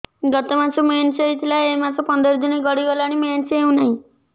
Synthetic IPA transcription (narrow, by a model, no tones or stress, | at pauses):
ɡɔt̪emãt͡ʃument͡ʃeit̪ʰilaemasɔpɔnd̪ɔɾɔd̪uneɡɔɽiɡɔlaɽ̃iment͡ʃeũnaɦĩ